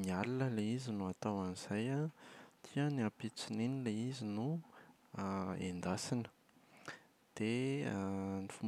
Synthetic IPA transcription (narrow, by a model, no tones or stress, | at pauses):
nialiləleizinuat̪awaniz̥ajat̪ʰiəniapit͡sininileizinu | ḛnd̪asinə̥ | d̪̥e | nifum